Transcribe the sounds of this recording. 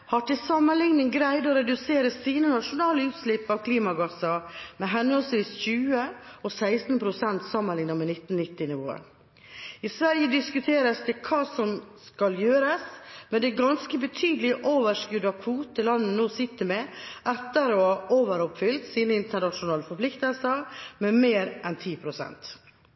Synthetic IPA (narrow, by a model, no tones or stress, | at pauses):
hɑʈɪsɑmːənlɪŋnənɡɾæɪd̪ɔɾɛd̪ʉseːɾəsiːnənɑʂʊnɑːləʉːt̪slɪpːɑʋkʰliːmɑɡɑsɑmɛɦɛnɔlsʋiːsçʉːəɔsæɪst̪npʰɾʊsɛnt̪sɑmːənlɪŋnɑmɛnɪt̪ːn̩nɪt̪ːɪnɪʋo̰ːə̰ | ɪsʋæɾjəd̪ɪskʉt̪ʰeːɾəsd̪ɛkʰɑːsɔmskɑljøːɾəsmɛd̪ɛɡɑnskəbət̪ʰyːd̪lɪʔoːʋəʂkʉd̪ɑkʰʋuːt̪əlɑnːənoːsɪt̪ːəmɛʔɛt̪ːəɾɔhɑʔoːʋəɾɔpfʏlt̪siːnəɪnt̪əɳɑʂʊnɑːləfɔpʰlɪkt̪əlsəɾmɛmeːɾʔɛnt̪ʰiːpʰɾʊsɛ̰nt̪